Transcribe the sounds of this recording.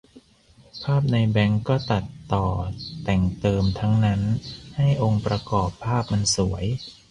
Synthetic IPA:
pʰaː˥˩p̚na˧jbɛ˦˥ŋkɔː˥˩t̪a˨˩t̪ːɔː˨˩t̪ɛ˨˩ŋt̪ɤː˧mt̪ʰa˦˥ŋna˦˥nha˥˩jʔo˧ŋpɾa˧kɔː˨˩pʰːaː˥˩p̚ma˧nsu˩˦ɐj

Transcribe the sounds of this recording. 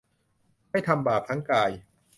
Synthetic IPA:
ma˥˩jt̪ʰa˧mbaː˨˩p̚t̪ʰa˦˥ŋkaː˧j

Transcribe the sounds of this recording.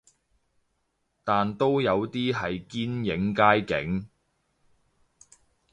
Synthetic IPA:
t̪aː˨nt̪o˥wjɐ˨˧wt̪iː˥ɦɐ˨jkiː˥njɪ˨˥ŋkaː˥jkɪ̰˨˥ŋ

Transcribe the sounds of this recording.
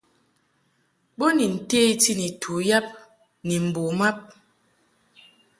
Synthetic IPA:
ɓo˦ni˨n̩˨te˦ti˦ni˨tʰu˨ja˦p̚ | ni˨m̩˨bo˨ma˦p̚

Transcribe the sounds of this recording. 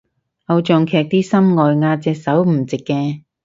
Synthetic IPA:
ʔɐ˧wt͡ʃɔː˨ŋkʰɛː˨˧k̚t̪iː˥sɐ˥mŋɔː˨jŋaː˧t͡sɛː˧k̚sɐ˨˥wm̩˨˩t͡sɪ˨kːɛː˧

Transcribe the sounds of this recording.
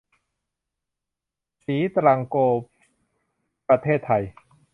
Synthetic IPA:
siː˩˦t̪ɾaː˧ŋkoː˧p | pɾa˧t̪ʰeː˥˩t̪ʰːa˧j

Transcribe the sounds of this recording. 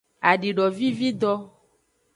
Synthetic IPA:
a˨ɖi˨ɖɔ˨vi˦vi˦d̪ɔ˦

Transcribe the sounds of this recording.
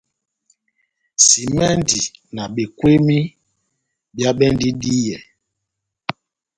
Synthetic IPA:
si˨mɛ˦ndi˨na˨ɓe˨kwe˦mi˦ | bja˦ɓɛ˦ndi˦di˦jɛ˨

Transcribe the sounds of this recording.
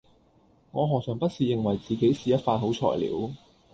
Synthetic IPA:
ŋɔː˨˧ɦɔː˨k̚sœː˨˩ŋpɐ˥t̚siː˨˧jɪ˨ŋwɐ˨jt͡siː˨ke˨˥jsiː˨jɐ˥t̚faː˧nɦo˨˥wt͡ʃʰɔ̰ː˨˩jlḭː˨˥w

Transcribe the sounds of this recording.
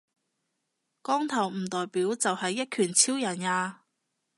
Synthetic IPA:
kɔː˥ŋt̪ʰɐ˨˩wm̩˨˩t̪ɔː˨jpiː˨˥wt͡sɐ˨whɐ˨jːɐ˥t̚kʰyː˨˩nt͡sʰi˥wjɐ˨˩njaː˧

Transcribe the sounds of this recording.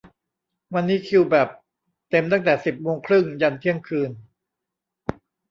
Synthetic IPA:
wa˧nːiː˦˥kʰi˧wbɛː˨˩p̚ | t̪e˧mt̪a˥˩ŋt̪ɛː˨˩si˨˩p̚moː˧ŋkʰɾɯ˥˩ŋja˧nt̪ʰi˥˩əŋkʰɯː˧n

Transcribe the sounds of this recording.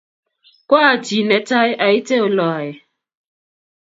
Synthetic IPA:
kʷɔ˦a˨ti˨ne˨ta˦ɪ˦ʔa˨i˦te˦o˨lɔ˨a˨jɪ˨

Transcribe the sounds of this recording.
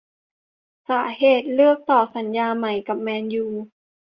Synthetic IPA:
saː˩˦heː˨˩t̪̚lɯ˥˩ək̚t̪ɔː˨˩sa˩˦njaː˧ma˩˦jka˨˩p̚mɛː˧njuː˨˧

